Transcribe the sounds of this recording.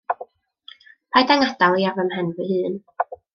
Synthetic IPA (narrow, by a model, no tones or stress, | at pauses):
pʰajdaŋadalˠiavəmhɛnvɨhɨːn